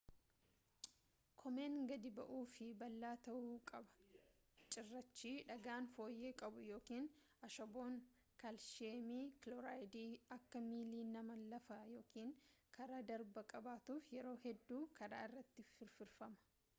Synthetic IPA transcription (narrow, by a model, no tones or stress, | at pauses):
kʰɔme̞ːŋɡɐd̪ɪbɐʔuːfɪbɐlːaːt̪ɐʔuːkʼɐbɐ̥ | t͡ʃʼɪrːɐt͡ʃːiːᶑɐɡaːnfo̞ːjːe̞ːkʼɐbʊjo̞ːkiːn | ɐʃɔboːn | kɐlʃeːmiːklɔɾaːjd̪iːɐkːɐmiːliːnɐmɐlɐfɐjo̞ːkiːŋkʰɐɾaːd̪ɐɾbɐkʼɐbaːt̪uːfjɛɾo̞ːhɛd̪ːuːkʰɐɾa̰ːɪrːɐt̪ːɪfɪɾfɪɾfɐmɐ̥